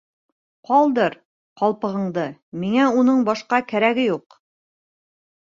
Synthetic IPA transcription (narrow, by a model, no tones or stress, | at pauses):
qɒlˠd̪ɤɾ | qɒlˠpɤ̆ʁɤ̆ɴd̪ɤmiŋæunɤɴbɒʃqɑkæɾæɡɘjuq